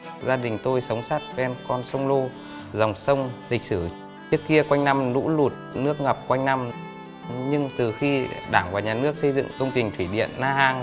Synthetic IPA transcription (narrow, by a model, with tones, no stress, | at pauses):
zaː˧ɗï˨˩ŋ̟t̪o˧jsə˨˦wŋ͡msa˦˥t̚vɛ˧nkɔ˧nsə˧wŋ͡mlo˧ | za˨˩wŋ͡msə˧wŋ͡mlï˨˩k̟̚sɨ˧˩ | ɨ˦˥əkːi˧əkwa˧jŋ̟na˧mnṵ˧˥lu˨˩t̚nɨ˦˥ək̚ŋə˨˩p̚kwa˧jŋ̟na˧m | ɲɨ˧ŋt̪ɨ˨˩xi˧ɗaː˧˩ŋvaː˨˩ɲaː˨˩nɨ˦˥ək̚sə˧jzɨ̰˧˨ŋkə˧wŋ͡mt͡ɕï˨˩ŋ̟t̪ʰwi˧˩ɗḭ˧˨ənːaː˧ɦaː˧ŋ